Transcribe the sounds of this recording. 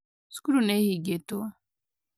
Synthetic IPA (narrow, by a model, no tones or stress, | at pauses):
skuɾunehiɡet̪oa